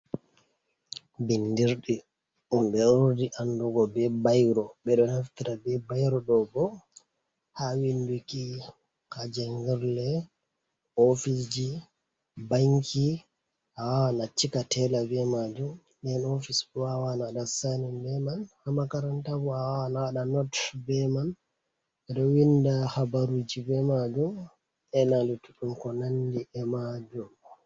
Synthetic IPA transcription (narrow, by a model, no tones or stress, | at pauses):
bindiɾɗi | ʔumɓɛuɾdiʔandɔɡɔbɛbajɾɔɓɛɗɔhaftiɾabɛbajɾɔɗɔbɔ | hawinduki | kad͡ʒɛŋɡɛɾlɛ | ofisd͡ʒi | baŋkʰi | awanat͡ʃikatʰɛlabɛmad͡ʒum | ɗɛnofisbwawanaɗasanimbɛmanhamakaɾantabuaanaɗanɔtbɛman | ɛɗɔwindahabaɾud͡ʒibɛmad͡ʒum | ɛnadituɗumkɔnandiʔɛmad͡ʒum